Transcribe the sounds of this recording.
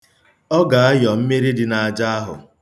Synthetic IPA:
ɔ˦ɡa˨a˦jɔ˨m̩˦me˦ɾi˦dɪ˦na˨a˨d͡ʒa˦a˦ɦʊ̰˨

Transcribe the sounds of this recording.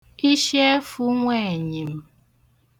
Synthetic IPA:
i˦ʃe˦fu˦ŋʷe˦˨ɲi˨m̩˦

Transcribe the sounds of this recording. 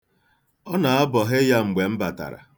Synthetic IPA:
ɔ˦na˨a˦bɔ˨ɦɪ˦ja˦ŋ͡m̩˨ɡ͡be˨m̩˦ba˨ta̰˨ɾa̰˨

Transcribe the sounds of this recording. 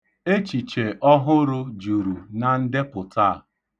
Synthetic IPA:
e˦t͡ʃi˨t͡ʃe˨ʔɔ˦ɦʊ˦ɾʊ˦d͡ʒu˨ɾu˨na˨n̩˦de˦pʊ˨ta˦˨

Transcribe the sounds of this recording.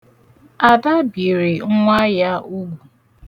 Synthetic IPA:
a˨da˦bi˨ɾi˨ŋ˦ŋʷa˦ja˦u˦ɡʷu˨

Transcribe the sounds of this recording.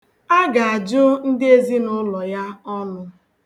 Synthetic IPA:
a˦ɡa˨a˨d͡ʒʊ˦n̩˦dɪ˦e˦zi˦nʊ˦lɔ˨ja˦ɔ˦nʊ˦

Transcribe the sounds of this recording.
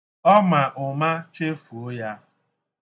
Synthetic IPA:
ɔ˦ma˨ʔʊ˨ma˦t͡ʃe˦fu˨o˦ja˦

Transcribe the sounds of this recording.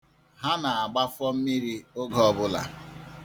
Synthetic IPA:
ɦa˦na˨a˨ɡ͡ba˦fɔ˦m̩˦mi˦ɾi˦o˦ɡɔ˦bʊ˦la̰˨

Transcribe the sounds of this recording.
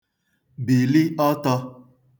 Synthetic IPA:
bi˨li˦ɔ˦tɔ˧

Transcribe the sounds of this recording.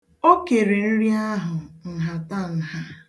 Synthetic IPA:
o˦ke˨ɾe˨n̩˦ɾi˦a˦ɦʊ˨n̩˨ɦa˨ta˦˨n̩˨ha˦

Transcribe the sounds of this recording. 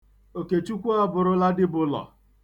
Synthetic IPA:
o˨ke˨t͡ʃu˦kʷu˦a˦bʊ˨ɾʊ˦la˦dɪ˦bʊ˨lɔ̰˨

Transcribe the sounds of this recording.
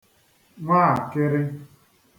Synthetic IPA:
ŋʷaː˦˨a˨kɪ˦ɾɪ˦

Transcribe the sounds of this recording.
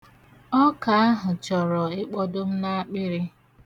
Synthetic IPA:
ɔ˦ka˨a˦ɦʊ˨t͡ʃɔ˨ɾɔ˨ɪ˦k͡pɔ˦dʊ˦m̩˦na˦a˦k͡pɪ˦ɾɪ˦

